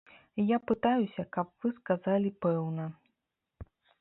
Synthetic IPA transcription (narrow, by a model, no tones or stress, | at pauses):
japɨt̪ajusʲɐkɐpv̥ɨskazalʲipɛwnɐ